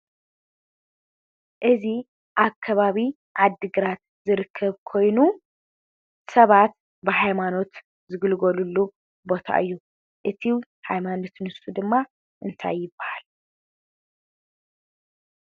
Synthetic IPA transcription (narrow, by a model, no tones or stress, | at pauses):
ʔɨzi | ʔakʰːɐβaβi | ʔad̪ːɨɡɨɾat̪ | zɨɾɨkʰːɐβkʰo̞jnu | sɐβat̪ | bɨɦajmano̞t̪ | zɨɡɨlɡolulːu | bo̞t̪ʰa̰ʔɨjːu | ʔɨt̪ʰiw | hajmano̞t̪nɨsud̪ɨmːa | ʔɨnt̪ʰa̰jːɪbːɐhal